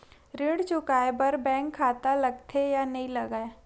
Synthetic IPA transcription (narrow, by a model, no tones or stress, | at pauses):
ɾeːɽt͡ʃʊkaːebɐɾbɛ̃ːŋkʰːaːt̪alɐɡ̚t̪ʰejanɐɦĩlɐɡae